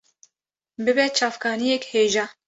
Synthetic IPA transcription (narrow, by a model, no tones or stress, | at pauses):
bɨbɛt͡ʃʰɑːfkʰɑːnijɛkheːʒɑ